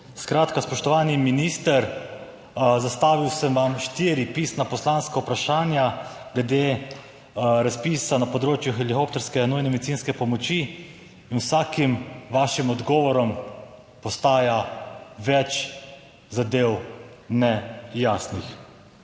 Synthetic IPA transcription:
skɾaːt̪kaspɔʃt̪ɔʋaːniminist̪əɾ | zast̪aːʋiwsəmʋamʃt̪iɾipiːsnapɔslaːnskaupɾaʃaːnjaɡ̥lɛd̪eː | ɾaspiːsanapɔd̪ɾoːt͡ʃjuxɛlikoːpt̪ɛɾskɛnujnɛmɛd̪itsiːnskɛpɔmɔt͡ʃiː | nwsaːkimʋaːʃimɔd̪ɡɔːʋɔɾɔm | pɔst̪aːjaʋɛt͡ʃ | zad̪eːwnɛjasnix

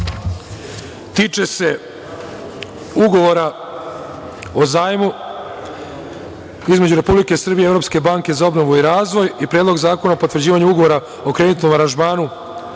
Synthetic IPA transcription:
t̪iːt͡ʃe̞se̞ | uɡo̞ʋo̞ɾa | o̞zaːjmu | izme̞d͡ʑuɾe̞publike̞sr̩bieevɾo̞pske̞baːŋke̞zao̞bno̞ʋuiɾaːzʋo̞jipɾjed̪lo̞ɡzaːko̞naopo̞t̪ʋr̩d͡ʑiːʋaɲuuɡoʋo̞ɾa | o̞kɾe̞ːnit̪no̞maɾanʒmaːnu

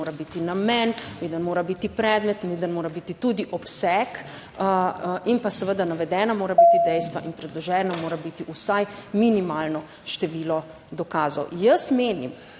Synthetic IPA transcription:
oːɾabit̪inamɛnnid̪ənmoːɾabit̪ipɾɛːd̪mɛt̪nid̪ənmoːɾabit̪it̪ud̪iʔɔpsɛk | inpasɛʋəd̪anaʋɛd̪ɛːnamoːɾabit̪id̪ɛjst̪ʋa̰ʔinpɾɛd̪lɔʒɛːnamoːɾabiːt̪iʔusajminimaːlnɔ | ʃt̪ɛʋiːlɔ | d̪ɔkaːzɔwjəsmeːnḭm

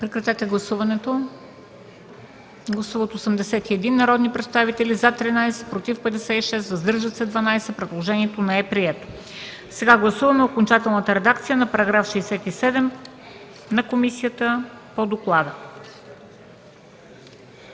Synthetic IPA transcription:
pɾɛkɾɐt̪ɛt̪ɛɡlˠɐsuvɐnɛt̪o | ɡlˠɐsuvot̪oːsəmd̪ɛsɛt̪iɛd̪inːɐɾɔd̪nipɾɛt̪st̪avit̪ɛlizat̪ɾinajsɛ̥pɾot̪ifpɛd̪ɛsɛiʃɛsvɐzd̪ɤɾʒət̪sɛd̪vɐnajsɛpɾɛd̪lˠoʒɛniɛt̪onɛɛpɾiɛt̪o̥ | sɛɡaɡlˠɐsuvɐmɛokont͡ʃat̪ɛlˠnət̪əɾɛd̪ak̚t̪sijənɐpɐɾɐɡɾafʃisɛt̪isɛd̪ɛm | nɐkomisijət̪əpod̪oklˠad̪ə

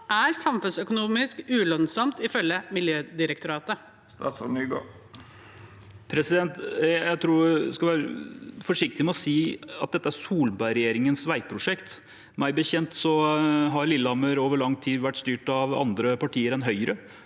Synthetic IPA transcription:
ʔæɾsɑmfʉnsœkʊnuːmɪskʉːlœnsɔmt̪ɪfœlːəmɪljøːd̪ɪɾəkt̪ʊɾɑːt̪ə | st̪ɑ̰sɔmyɡo̰ː | pʰɾɛsɪd̪ɛnt̪jæɪt̪ʰɾuːskɑʋæːɾəfɔʂɪk̚t̪ɪmɛɔsiːɑ̰t̪̚d̪ɛt̪ːəæɾsuːlbæɪɾɛjeːɾɪŋənsʋæɪpʰɾʊʂɛkt̪ | mæɪbəçɛnt̪sɔɦɑɾlɪlːəɑməɾoːʋəɭɑŋt̪ʰiːd̪ʋæʈːst̪yːʈɑʋɑ̰nd̪ɾəpɑʈʰiːəɾɛnɦœʏɾə

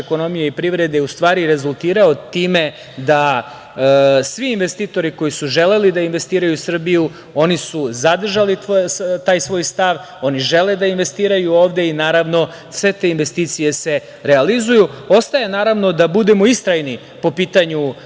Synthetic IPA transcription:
eko̞no̞mijeipɾiʋɾe̞d̪eust̪ʋaːɾiɾe̞zulˠt̪iːɾao̞t̪iːme̞ | d̪a | sʋiːnʋest̪iːt̪o̞ɾiko̞jisuʒe̞le̞lid̪ainʋe̞st̪iːɾajusr̩biju | o̞nisuzad̪r̩ʒalit̪aːjsʋo̞ːjst̪aʋ | o̞niʒe̞le̞d̪ainʋe̞st̪iːɾajuo̞ːʋd̪e̞inaːɾaʋno̞ | sʋe̞t̪e̞inʋe̞st̪iːt̪sije̞se̞ | ɾealizujuo̞st̪aje̞naːɾaʋno̞d̪abud̪e̞moist̪ɾajni | po̞piːt̪aɲu

